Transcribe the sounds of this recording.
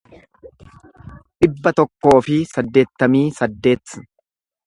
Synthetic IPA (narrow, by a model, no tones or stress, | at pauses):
ᶑɪbːɐt̪ɔkːo̞ːfɪsɐd̪ːe̞ːt̪ːɐmiːsɐd̪ːe̞ːt̪ː